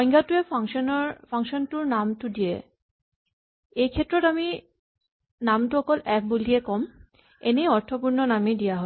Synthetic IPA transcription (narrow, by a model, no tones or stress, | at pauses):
ɔjŋɡatuefʰaŋʃɔnɔpʰaŋʃɔntuɾnamtudijḛ | ejkʰet̪ːɾɔtami | namtuɔkɔlɛpʰbuliekɔm | eneɔɹt̪ʰopuɹnɔnamidijaɦɔ